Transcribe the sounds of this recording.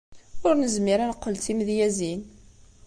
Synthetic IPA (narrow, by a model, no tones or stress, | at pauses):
ʊɾnəzmiɾænəqːəlt̪iməðjæzin